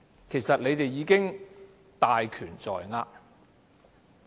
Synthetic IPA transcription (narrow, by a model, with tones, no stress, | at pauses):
kʰe˨˩jsɐ˨t̚le˨˧jt̪e˨jːiː˨˥kɪ˥ŋ | t̪aː˨jkʰyː˨˩nt͡sɔ̰ː˨jŋaː˧